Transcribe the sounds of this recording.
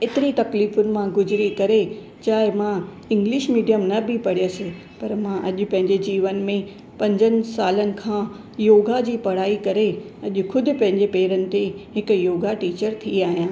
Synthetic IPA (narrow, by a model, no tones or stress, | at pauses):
ɪt̪ɪɾit̪ɐkliːfʊnɪ̆mãɡʊzɪɾikɐɾe | t͡ɕaːɦɪmã | ɪ̃ŋɡlɪʃmiːɖijəmnɐbʱɪpɐɽijose | pɐɾmãʔɐʄʊ̆pɐ̃ɦɪ̃ɲd͡ʑed͡ʑiːʋənɪ̆mẽ | pɐ̃ɲd͡ʑənɪ̆saːlənɪ̆kʰãː | joːɡad͡ʑiːpɐɽaːikɐɾeɐʄʊ̆kʰʊd̪ʱɪ̆pɐ̃ɦɪ̃ɲd͡ʑepeːɾənɪ̆t̪eɦɪkjoːɡaʈiːt͡ɕəɾt̪ʰiaːɦijãː